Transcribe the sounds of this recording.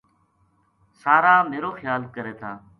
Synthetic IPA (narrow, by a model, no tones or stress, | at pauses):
saːɾaːmeːɾoːxjaːlkəɾeːt̪ʰaː